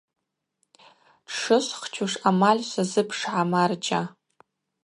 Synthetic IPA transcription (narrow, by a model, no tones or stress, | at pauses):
ʂɨsχt͡ʃʰuʂamalʲsazɨpʰʂʕamart͡ʃʼa